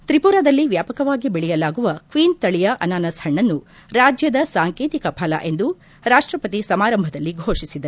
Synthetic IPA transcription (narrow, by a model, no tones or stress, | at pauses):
t̪ɾipuːɾaːd̪ɐlːiʋjaːpɐkɐʋaːɡibɛɭɛjɐlaːɡuʋɐkʋiːnt̪ɐɭijɐʔɐnaːnɐshɐɳːɐnːu | ɾaːd͡ʒjɐd̪ɐsaːŋkeːt̪ikɐpʰɐlɐ̰ʔe̞nd̪u | ɾaːʂʈɾɐpɐt̪isɐmaːɾɐmbʱɐd̪ɐlːiɡʱoːʂisid̪ɐ